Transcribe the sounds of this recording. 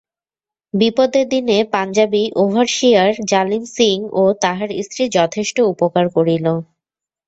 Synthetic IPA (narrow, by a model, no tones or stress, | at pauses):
bipod̪ed̪inepand͡ʑabiʔobʱaɾʃiaɾd͡ʑalimsiŋot̪aɦaɾḭst̪ɾid͡ʑɔt̪ʰeʃʈoupokaɾkoɾilo